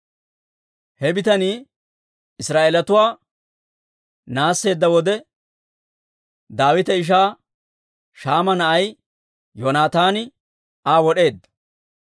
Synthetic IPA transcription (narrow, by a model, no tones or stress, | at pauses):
hɛbɪt̪ɐniː | ɪsɾaːʔeːlɐt̪ʊwaː | naːsːe̞ːd̪ːɐwɔd̪ɛ | d̪aːwɪt̪ɛɪʃ̬aː | ʃaːmɐnɐʔɐj | joːnaːt̪aːnɪ | aːwɔɗe̞ːd̪ːɐ̥